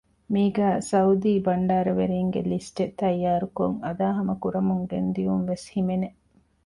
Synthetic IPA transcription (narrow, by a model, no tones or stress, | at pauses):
miːɡæːsɐud̪iːbɐɳɖaːɾɐʋeɾiːŋɡḛlisʈet̪ɐjːaːɾuko̰ŋɐd̪aːɦɐmɐkuɾɐmuŋɡḛnd̪iʋumʋeshimene